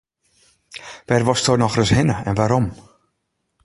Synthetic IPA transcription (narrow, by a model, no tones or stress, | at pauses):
ʋɛrʋɔstonɔxrəshɪnəɛnʋaɾɔm